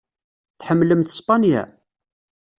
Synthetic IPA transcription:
θħəmːləmθspɑnjæ̰

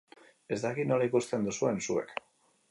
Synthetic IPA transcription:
e̞zd̪akinolaikust̪e̞nd̪usue̞nsuḛk

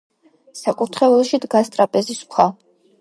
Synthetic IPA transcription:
sakʼuɾt̪ʰχɛɛlˠʃid̪ɡast̪ʼɾapʼɛziskʷʰwa

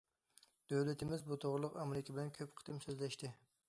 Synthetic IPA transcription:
d̪̥awlat̪ʰɪmɪzbʊt̪ʰoʁɾlˠʊqamɾɪkʲʰabɪlænkʲʰɵpqʰɨ̥d̪ɪmsøzlæʃt̪ɪ

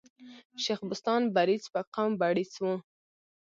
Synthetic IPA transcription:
ʃaxbʊst̪ɑnbaɾit͡spaqambaɽit͡swu

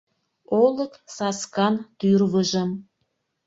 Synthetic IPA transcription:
oləksɑskɑnt̪yrβəʒəm

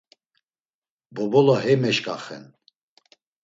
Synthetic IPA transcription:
bɔbɔlaɦɛmɛʃkʼaχɛ̰n

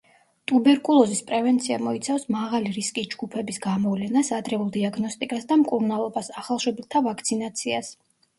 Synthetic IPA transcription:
t̪ʼubɛɾkʼulˠɔzispʼɾɛvɛnt̪sʰiamɔit̪sʰafsmaʁaliɾiskʼisd͡ʒɡupʰɛbisɡamɔvlɛnasad̪ɾɛulˠd̪iaɡnɔst̪ʼikʼasd̪amkʼuɾnalˠɔbasaχalˠʃɛbilt̪ʰavakʰt̪sʰinat̪sʰias

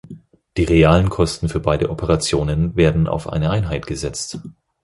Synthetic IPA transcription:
d̥iːʁeaːlənkʰɔstn̩fyːɐbaɪdəʔɔpʰəʁ̞at͡sjoːnənveːɐdn̩ʔa̰ʊfʔa̰ɪnəʔaɪnɦaɪtɡ̥əzɛt͡st

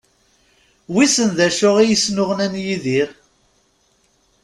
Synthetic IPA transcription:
wisənðæʃʊʁijisnʊʁənænjiðiʁ

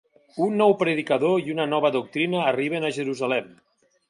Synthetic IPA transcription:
unːɔwpɾeðikaðoiunənɔβəðuk̚t̪ɾinəːriβ̞enaʒeɾuzalɛm

